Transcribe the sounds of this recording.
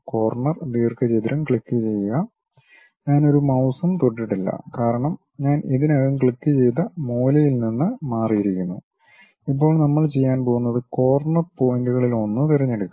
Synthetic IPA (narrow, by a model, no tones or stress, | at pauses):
ko̞ːrɳɐrd̪iːrkɐt͡ɕejt̪iɾɐmkɭikːɨt͡ɕe̞jːuɣɐ | ɲaːno̞ɾumɐwsɐmt̪oʈːiʈːilːɐ̰kaːɾɐɳɐm | ɲaːniðinɐɣɐmkɭikːɨt͡ɕe̞jt̪ɐmo̞ːlɐjilninːɨmaːrijiɾikʲːunːṵ | ip̬ːo̞ːɭnɐmːɐɭt͡ɕe̞jːaːnpo̞ːɣunːɐðɨko̞ːrɳɐrpo̞jinduɣɐɭilo̞nːɨt̪irɐɲːeɽukːu